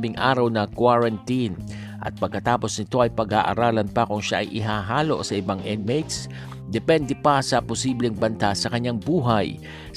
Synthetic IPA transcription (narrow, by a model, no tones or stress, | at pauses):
bɪŋʔa̰ːɾɐwnɐkwaɹɐnt̪in | ʔɐ̰t̪̚pɐɡ̚kɐt̪aːpo̞snɪt̪o̞ʔɐjpɐɡa̰ːʔɐ̰ɾaːlɐnpɐkʊŋʃaʔɐ̰jʔɪɦaːɦaːlo̞̰ʔsɐʔɪbaŋʔɛd̪mejt̪s | d̪ɛpɛnd̪ɛpɐsɐpʊsiːblɛŋbɐnt̪asɐkɐɲːaŋbuːɦɐj